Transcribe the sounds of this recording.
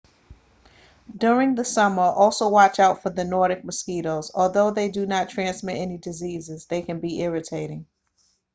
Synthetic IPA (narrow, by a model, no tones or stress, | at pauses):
dʊɹɪ̃ŋðɨsʌmə˞ʔɔlˠsoʊwɑt͡ʃaʊtfə˞ðɨnɔɹɾɨk̚mɨskiɾoʊzɔlˠðoʊðeɪdɨnətʰɹ̥æ̃nsmɪɾɛnidɨzizɪzðeɪkɨ̃nbiʔɪɹɨtʰeɪɾɪ̃ŋ